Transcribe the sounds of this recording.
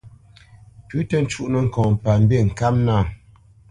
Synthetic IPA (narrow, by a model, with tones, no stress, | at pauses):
pʉ˨˦tə˦n̩˦t͡ʃu˦ʔnə˨ŋ̩˨kɔ̃ː˨pa˨m˦be˦˨ŋ̩˨ka˦mna˦˨